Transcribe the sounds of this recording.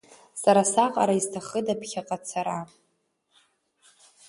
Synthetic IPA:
saɾasaqʼa̰ɾaiztʰaχədapʰχʲaqʼat͡sʰaɾa

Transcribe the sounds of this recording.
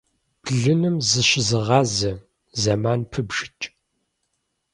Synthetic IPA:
b̥ɮɨnɨmzɨʃɪzɨʁɑːzɐ | zɐmaːnpʰɨbʒ̥ɪt͡ʃʼ

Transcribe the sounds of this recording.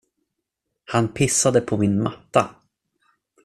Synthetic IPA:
hanpʰɪsːad̪əpʰɔmɪnmat̪ːa

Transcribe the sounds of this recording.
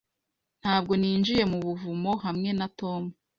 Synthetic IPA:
n̥haːb̚ɡo̞niːnd͡ʒije̞muβuvumo̞ɦamŋe̞nato̞mu

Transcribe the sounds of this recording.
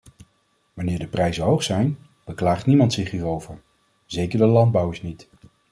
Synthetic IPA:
ʋɑnɪːɹdəprɛjzənɦowχsɛjn | b̥əklaːχtnimɑntsɪχɦiːɹowvəɹ | zejkəɹdəlɑnd̚bɑwəɹsnit

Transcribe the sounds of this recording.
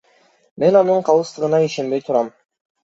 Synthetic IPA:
me̞nɑnɯɴqʰɑlˠɯst̪ɯʁɯnɑiʃe̞nbe̞jt̪ʰuɾɑm

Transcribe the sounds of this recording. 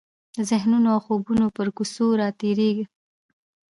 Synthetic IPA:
zɪhnunoawxobunopəɾkusoɾɑt̪eɾeɡi

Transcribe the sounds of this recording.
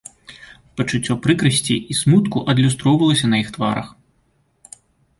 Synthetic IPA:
pɐt͡ʂut͡sʲːɔpɾɨkɾɐsʲt͡sʲiʔismut̪kuʔɐd̪lʲust̪ɾɔwvɐlˠɐsʲɐnɐjixt̪va̰ɾɐ̰x

